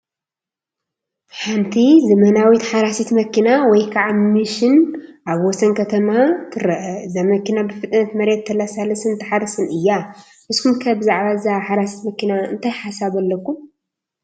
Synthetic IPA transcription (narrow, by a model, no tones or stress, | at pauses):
ħant̪ʰizɐmɐnawit̪ħaɾasit̪mɐkʰinawɔjkʰaʕamɨʃɪnʔaβwɔsɐnkʰɐt̪ʰɐmat̪ʰɨɾɐʔɐzamɐkinabɨfɨt̪ʼnɐt̪mɐɾet̪ʰːɐlasalɐsɨnt̪ʰɨħaɾɐsɨnɨjːa | ʔɨskʰumkʰɐbɨzaʕβaɨzaʕaħaɾasi̥t̪mɐkinaɨ̰nt̪ʰajħasaβɐlːɐkːum